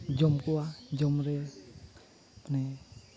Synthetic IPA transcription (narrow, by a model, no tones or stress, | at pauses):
d͡ʒɔmkuad͡ʒɔmɾɛ | mane